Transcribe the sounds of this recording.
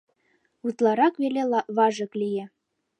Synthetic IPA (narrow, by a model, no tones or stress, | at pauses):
ut̪lˠɑɾɑkβeleβɑʒɤ̆klʲijĕ